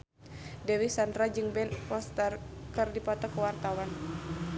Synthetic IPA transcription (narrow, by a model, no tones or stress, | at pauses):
dɛwisandɾad͡ʒɨŋbɛnpɔst̪ərkɨrdipɔt̪ɔkəwart̪awan